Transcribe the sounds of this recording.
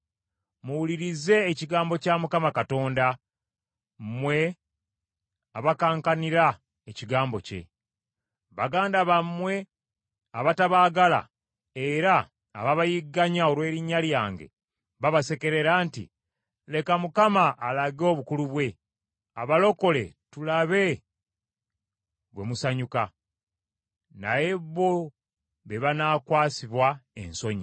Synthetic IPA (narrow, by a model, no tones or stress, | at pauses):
muwuliɾize̞ːciɡaːmbo̞camukamakato̞ːnda | mwe̞ | aβakaːŋkaniɾa | eciɡaːmbo̞̰ce̞̰ | βaɡaːndaβamːwe̞ | aβataβaːɡala̰ | e̞ɾa̰ː | βaβajiɡːaɲao̞lwe̞ːɾiɲːaljaːŋɡe̞̰ | βaβase̞ke̞ɾe̞ɾaːntḭ | le̞kamukamaʔːlaɡo̞ːβukuluβwe̞ | aβalo̞ko̞le̞tulaβe̞ | βwe̞musaɲuka | na̰je̞βːo | βeβanaːkwaːsiβwaḛnso̞ɲi